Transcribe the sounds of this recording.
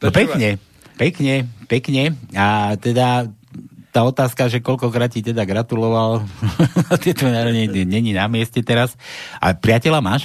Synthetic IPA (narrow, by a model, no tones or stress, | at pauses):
pɛkɲɛ | pɛkɲɛpɛkɲɛat̪ɛd̪a | t̪aːɔt̪aːskaʒɛkɔʎkɔkɾaːt̪̚cit̪ɛd̪aɡɾat̪ulɔʋal | t̪ɛt̪ɔnaɾɲɛɲɛɲɛɲinamɪɛscɛt̪ɛɾasʔa̰pɾɪacɛlamaːʃ